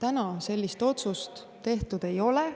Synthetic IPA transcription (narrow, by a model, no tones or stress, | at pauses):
t̪ænɑse̞lʲːist̪o̞t̪sust̪ːe̞ht̪ud̪̥e̞jo̞le